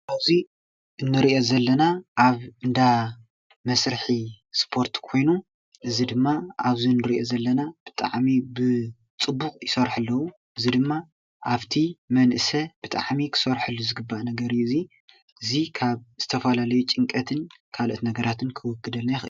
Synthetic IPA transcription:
ʔaβzi | ɨnːɨɾiʔo̞zɐlːɐnaʔaβɨnd̪a | mɐsɾɨħi | spʰo̞ɾt̪kʰo̞jnu | ʔɨzid̪ɨmːaʔaβzinːɨɾiʔo̞zɐlːɐnab̥ɨt̪ʼa̰ʕmibɨ | t͡sʼɨbːukʼjɪsɐɾħɨlːɐwu | ʔɨzid̪ɨmːa | ʔaβt̪ʰimɐnʔɨsɐb̥ɨt̪ʼa̰ʕmikʰɨ̥sɐɾħɨlːuzɨɡɨbːaʔnɐɡɐɾiɨzi | ʔɨzikʰaβz̥ɨt̪ʰɐfɐlalɐjut͡ʃʼɨŋkʼɐt̪ʰɨnkʰalot̪nɐɡɐɾat̪ʰɨnkʰɨwʊkʰːɨd̪ɐlnajxʔɨ̰

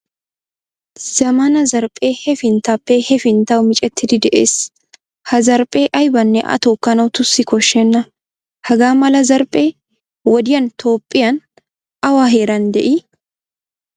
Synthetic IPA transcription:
z̥ɐmɐnɐzɐɾpʼːeːhɛfɪnt̪ɐpːeːhɛfɪnt̪ɐʊmɪt͡ʃʼɛt̪ːɪd̪ɪd̪ɛʔḛːs | hɐzɐɾpʼe̞ːʔɐjbɐnːɛʔɐ̰t̪uːkːɐnɐwʊt̪ʊsːɪkɔʃːɛnːɐ | hɐɡaːmɐlɐzɐɾpʼe̞ː | wɐd̪ɪjɐnt̪ʰo̞ːpʼːɪjɐn | ɐwaːɦeːɾɐnd̪ɛʔi

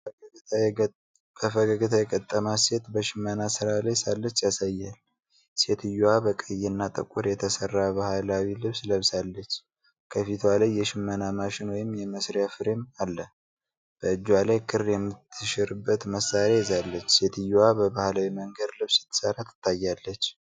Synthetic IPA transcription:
bəfəɡəɡɨt̪ʰajɛkʼət̪ʼːəmase̞t̪bəʃɪmːənasɨɾalajsalːət͡ʃːjasajːal | se̞t̪ʰɨjːuwabəkʼəjːɛnːat̪ʼə̰kʼuɾjɛt̪ʰəsərːaβahalawilɨβsləβsalːət͡ʃː | kʰəfit̪ʰwalajːɛʃɪmːənamaʃɪnwɔjɪmjɛməsɾijafɨɾemalːə | b̥əɨd͡ʒːwalajkʰɨrjɛmːɨt̪ʰːɨʃɪɾɨbːət̪məsːaɾajɛzalːət͡ʃːse̞t̪ʰɨjuwabəbahlawiməŋɡəd̪lɨβsɨ̥t̪ʰːɨ̥səɾat̪ʰːɨ̥t̪ʰːajːalːət͡ʃː

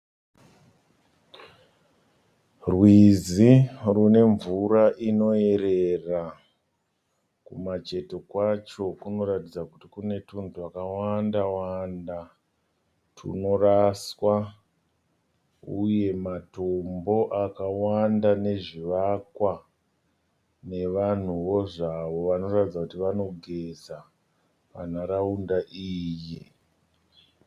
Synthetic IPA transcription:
rwizirune̞ɱvuraʔino̞e̞ɾe̞ra | kumat͡ʃe̞to̞kwat͡ʃo̞kuno̞ɾatid͡zakutikune̞tuntuakawandawanda | tʰṵno̞raswa | uje̞matombo̞ʔakawandane̞ʐiʋakwa | ne̞ʋan̤uʋo̞ʐaʋo̞ʋano̞ratid͡zakutiʋano̞ɡʱe̞za | pan̤aɾaundaʔiːji

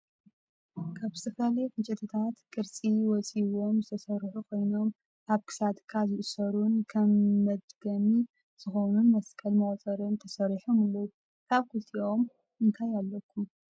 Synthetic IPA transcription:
kʰaβzɨt̪ʰɐflalɐjkɨt͡ʃʼɪt̪ʰɨt̪ʰat̪kʼɨɾt͡sʼiwɔt͡sʼiβo̞mzɨt̪ʰɐsɐɾħukʰo̞jnom | ʔaβkʰɨ̥sat̪kʰːazɨʔsɐɾunkʰɐmːɐd̪ɡɐmi | z̥ɨxonunmɐskʰɐlmɐwt͡sʼɐɾɨnt̪ʰɐsɐɾiħomɨlːowu | kʰaβkʰut̪ʰio̞m | ɨnt̪ʰajalːɐkʰːum

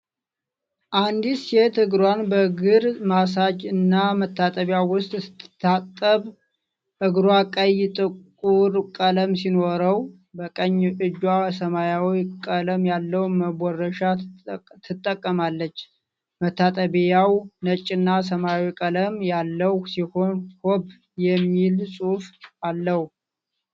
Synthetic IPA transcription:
ʔand̪isjɛt̪ʰɨɡɾwanbəɡɨɾmas̬ad͡ʒɨnːamət̪ʰːat̪ʼəβjawwʊst̪ʼsɨ̥t̪ːt̪ʰːat̪ʼːəβ | ʔɨɡɾwakʼəjt̪ʼɨkʼuɾkʼələmsinoɾəw | bəkʼəɲːɨd͡ʒwasəmajawikʼələmjalːəwnməbɔrːəʃat̪ʰɨt̪ʼːəkʼːəmalːət͡ʃː | mət̪ʰːat̪ʼəβjawnət͡ʃʼːɪnːas̬əmajawikʼələmjalːəhsiho̞nhob | jɛmːilsʼufalːəhu

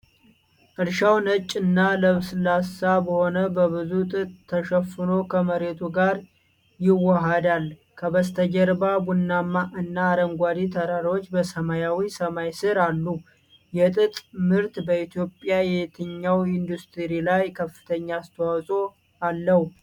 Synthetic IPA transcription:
ʔɨɾʃawnət͡ʃʼːɨnːaləβsɨlasabəho̞nəbəβɨzut̪ʼɨt̪ʼt̪ʰːəʃɛfːɨno̞kʰəməɾe̞t̪ʰuɡaɾ | jɪwːəɦad̪al | kʰəβəst̪ʰəd͡ʒəɾbabunːamːaʔɨnːaːɾəŋɡʷad̪it̪ʰəɾaɾot͡ʃːbəsəmajawisəmajsɨɾalːu | jɛt̪ʼɨt̪ʼmɨɾt̪bəit̪ʰjo̞pʼːjajɛt̪ʰɨɲːawɪnd̪ust̪ʰɨɾilajkʰəfːɨ̥t̪ʰəɲːaːst̪ʰəwawsʼo̞ | alːəhu

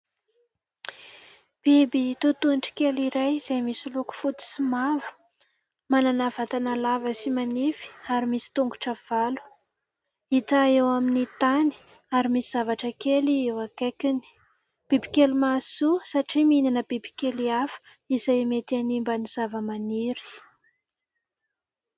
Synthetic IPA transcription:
b̥ibit̪ut̪unʈ͡ʂi̥keliɾajiz̥ajmisiluku̥fut̪i̥simavu̥ | mananavat̪analavəsimanifi̥aɾimisi̥t̪uŋɡuʈ͡ʂav̥alu̥ | it̪aewaminit̪ani̥ | aɾimisiz̥avaʈ͡ʂəkeliewakakini̥ | b̥ibi̥kʲelimasusaʈ͡ʂiminanəbibi̥kʲeliafə̥ | izajmet̪animbəniz̥avəmaniɾi̥

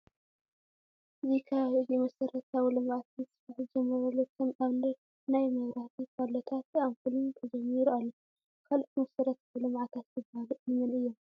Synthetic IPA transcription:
ʔɨzikʰaβzimɐsɐɾɐt̪ʰawlɨmʕat̪̚ɨsɨ̥faħd͡ʒɛmːɐɾɐlːot̪ʰomaβnɐ | najmɐβɾat̪ʰikʰalot̪ʰat̪aβfɨlunt̪ʰɐd͡ʒɐmːiɾualːo | kʰalt̪mɐsɐɾɐt̪ʰawlɨmʕat̪ʰat̪jɨbahlunɨmɨnɨjːom

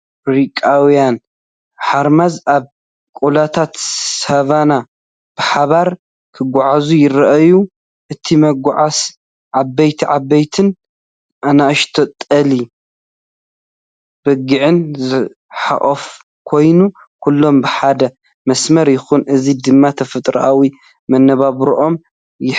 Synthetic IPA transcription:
bɾikʼawijan | ħaɾmazʔaβ | kʼulat̪ʰat̪saβana | b̥ɨħaβaɾ | kʰɨɡʷːaʕazujɪɾɐʔɐju | ʔɨt̪ʰimɐɡʷʕas | ʕabɐjt̪ʰiʕabːɐjt̪ʰɨn | ʔanaʔɨʃt̪ʰɐt̪ʼɐli | b̥ɐɡɨʕɨnzɨ | ħa̰χʼɐf | kʰo̞jnu | kʰulːo̞mbɨħad̪ɐ | mɐsmɐɾjɪxunʔɨzid̪ɨmːat̪ʰɐfɨt̪ʼɾʔawi | mɐnːɐβaβɾʔo̞m | jɪ

